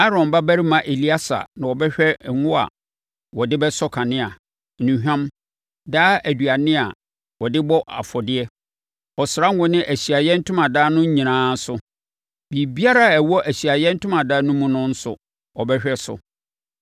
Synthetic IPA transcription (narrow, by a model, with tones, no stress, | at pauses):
a˦ɾɔ̃˨m˨ba˦bæ˦ɾi˦mã˨ʔe˨li˦a˦sa̰˨nã˨wɔ˨bɛ˦ɕᶣɛ˦˨ŋʊ̃˦a̰˨ | wɔ˨dɪ˦bɛ˦sɔ˦kʰã˨nɪ̃˦a˨ | nĩ˨ɦᶣã˦m | daː˦æ˨du˨a˨nɪ̃˦a̰˨ | wɔ˨dɪ˦bɔ˦ʔa̰˨fɔ˨dɪ˦ɛ˦ | ɔ˨sɾa˦ŋ˦ʊ̃˦nɪ̃˦ʔæ˨ɕi˨a˨jɛ˦n̩˦tʰʊ̃˦mã˨daː˦nʊ̃˦ɲ̩˦ɲĩ˨nãː˦sʊ˨ | bi˨bi˦a˦ɾa˦˨æ˨wɔ˦ʔæ˨ɕi˨a˨jɛ˦n̩˦tʰʊ̃˦mã˨daː˦nʊ̃˦mũ˦nʊ̃˦n̩˦sʊ̰˨ | ɔ˨bɛ˦ɕᶣɛ˦sʊ̰˨